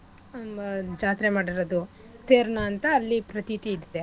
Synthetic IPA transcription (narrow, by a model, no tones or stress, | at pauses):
d͡ʒaːt̪ɾemaːɽiɾod̪u | t̪ʰeːɾnɐːnt̪ɐːlːipɾɐt̪it̪iːd̪id̪e